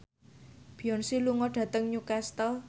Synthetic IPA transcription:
b̥ijɔnsiluŋɔɖ̥ä̤t̪əŋɲukɛst̪əl

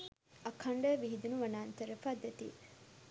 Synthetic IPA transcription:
ɐkʰɐɳɖəʋiɦid̪unuʋɐnaːnt̪əɾəfaːd̪et̪ḭː

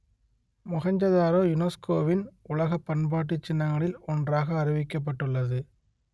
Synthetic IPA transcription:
mʊɣɐɲd͡ʒɐðaːɾoːjʊnɐskoːʋɪnʊlɐɣɐpːɐnbaːʈ̬ːɯt͡ʃːɪnːɐŋɡɐɭɪlɔndraːɣɐːɾɪʋɪkːɐp̬ːɐʈːɯɭːɐðɯ

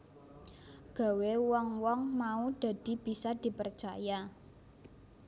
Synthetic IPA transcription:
ɡ̥a̤wewɔŋwɔŋmauɖ̥a̤d̥i̤b̥i̤sad̪̥i̤pərt͡ʃaja

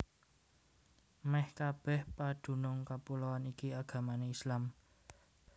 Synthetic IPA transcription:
mɛhkab̥ɛ̤hpaɖ̥ṳnʊŋkapulɔwanikiaɡ̥a̤maneislam

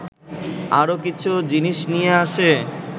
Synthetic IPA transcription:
a̰ɾokit͡ɕʰud͡ʑiniʃnijeaʃe

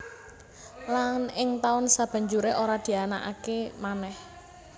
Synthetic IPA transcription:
lanɪŋt̪aʊnsab̥a̤ɲd͡ʒuɾeʔoɾad̪̥i̤ana̰ʔa̰kemanɛh

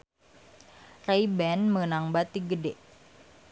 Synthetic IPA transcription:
rejbɛnmənaŋbat̪iɡədeʔ

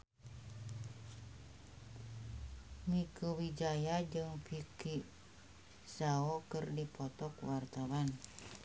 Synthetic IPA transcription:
mikuwid͡ʒajad͡ʒɨŋpiki | saɔkɨrdipɔt̪ɔkwart̪awan

